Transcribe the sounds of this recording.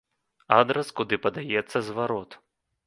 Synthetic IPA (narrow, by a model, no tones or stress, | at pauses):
ad̪ɾɐskud̪ɨpɐd̪ajɛt̪sːɐzvaɾɔt̪